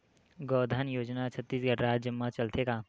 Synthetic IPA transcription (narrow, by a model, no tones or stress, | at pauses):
ɡɔːd̪ʱənjoːd͡ʒnat͡ʃʰət̪ːiːsɡʱəɽɾaːd͡ʒəmːat͡ʃɐlt̪ʰeɡaː